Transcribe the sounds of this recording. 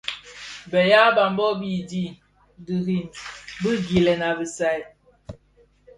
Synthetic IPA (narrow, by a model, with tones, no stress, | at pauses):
bɛ˨ja˦ba˨m˦bɔ˦bi˦di˦˨ | di˨ɾi˨nbə˦ɡi˨lɛ˨na˨bi˨sa˨j